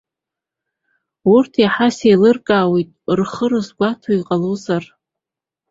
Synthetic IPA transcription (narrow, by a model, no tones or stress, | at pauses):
urtʰiħasejlɨrkʼaːwejtʼrχərɨzɡʷatʰoiqʼalozar